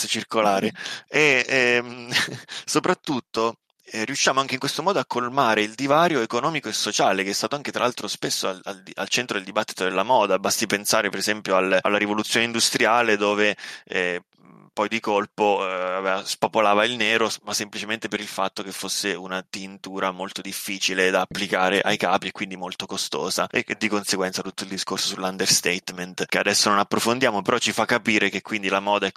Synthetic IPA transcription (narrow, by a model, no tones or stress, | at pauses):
t͡ʃirkolaːɾeɛɛm | sopɾat̪ːut̪ːo | riuʃːaːmoaŋkeɪiŋkwest̪omɔːd̪oakːolmaːɾeild̪ivaːɾjoekonɔːmikoesːot͡ʃaːlekeɛst̪aːt̪oaŋket̪ɾalalt̪ɾospesːoala̰ld̪ia̰lt͡ʃɛnt̪ɾod̪eld̪ibat̪ːi̥t̪od̪elːamɔːd̪abast̪ipensaːɾepeɾezɛmpjoalalːaɾivolut̪sjoːneind̪ust̪ɾjaːled̪oːveɛ | pɔjd̪ikolpoavevaspopolaːvailneːɾomasːemplit͡ʃement̪epeɾilfat̪ːokefːosːeunat̪int̪uːɾamolt̪od̪ifːiːt͡ʃiled̪aːpːlikaːɾeʔajkaːpiekːwind̪imolt̪okost̪o̰ːzaeed̪ːikonseɡwɛnt̪sat̪ut̪ːoild̪iskorsosulːand̪erst̪ɛt̪ment̪kead̪ɛsːononapːɾofond̪jaːmopeɾɔt͡ʃːifakːapiːɾekekːwind̪ilamɔːd̪aɛ